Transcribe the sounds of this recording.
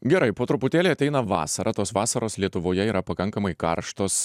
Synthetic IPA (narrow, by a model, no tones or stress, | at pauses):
ɡʲɛɾɐɪpoːt̪ɾʊpʊt̪ʲeːlʲeːɐt̪ʲɛɪnɐʋɑ̰ːsɐɾʔɐt̪oːsʋɑːsɐɾoːslʲiɛt̪ʊʋoːjɛiːɾʔɐpɐkɐŋkɐmɐɪkɐ̰ɾʃt̪oːs